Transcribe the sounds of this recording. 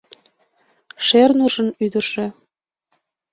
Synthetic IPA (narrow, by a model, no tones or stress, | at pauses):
ʃernuʒənyd̪ərʒe